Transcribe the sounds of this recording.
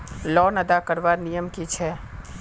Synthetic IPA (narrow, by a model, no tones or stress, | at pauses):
lɔnəd̪akəɾʋaɾnijəmkit͡ʃʰɛ